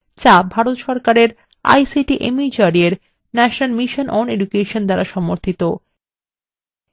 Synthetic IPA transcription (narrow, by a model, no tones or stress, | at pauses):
t͡ɕabʱaɾot̪ʃɔɾkaɾeɾ | a̰jsiʈiʔemid͡ʑaɾieɾ | nɛʃonalmiʃonʔɔneɖukeʃond̪aɾaʃɔmoɾt̪ʰit̪o